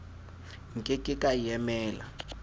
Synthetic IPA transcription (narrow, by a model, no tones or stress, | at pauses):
ŋkʼekʼɪkʼajɛmɛːla̰